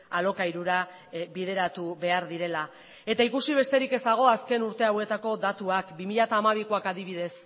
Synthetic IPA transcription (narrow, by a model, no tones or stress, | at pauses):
alo̞kaiɾuɾa | βið̞e̞ɾat̪uβe̞aɾðiɾe̞la | e̞t̪aikusiβ̞e̞st̪e̞ɾike̞zd̪aɣ̞o̞aske̞nuɾt̪e̞awe̞t̪ako̞d̪at̪uakbimiʎat̪aːmaβ̞ikoakaðiβ̞iðe̞s